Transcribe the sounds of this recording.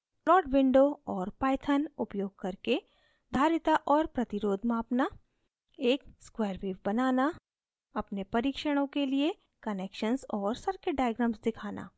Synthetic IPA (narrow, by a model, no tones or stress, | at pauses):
lɔːɖʋɪ̃ɳɖoɔːɾpaːjt̪ʰənʊpjoːɡ̚kɐɾke | d̪ʱaːɾɪt̪aʔɔːɾpɾɐt̪ɪɾoːd̪ʱmaːpna | eːkskwɛːɾʋiːʋbɐnaːna | ɐpnepɐɾiːkʃəɽ̃õkelie | kɐneːkʃənsɔːɾsɐɾkeɖaːɪɡɾəmsd̪ɪkʰaːnʔa̰ː